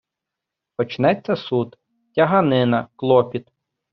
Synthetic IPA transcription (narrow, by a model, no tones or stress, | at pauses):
pɔt͡ʃnɛt͡sʲːɐsut̪ | tʲɐɦɐnɪnɐklˠɔpʲit̪